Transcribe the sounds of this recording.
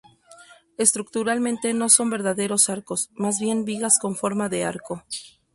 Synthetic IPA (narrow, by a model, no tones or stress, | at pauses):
e̞st̪ɾuk̚t̪uɾalmẽnt̪e̞no̞so̞mbe̞ɾðaðe̞ɾo̞saɾko̞smazβje̞nbiɣasko̞ɱfo̞ɾmaðe̞aɾko̞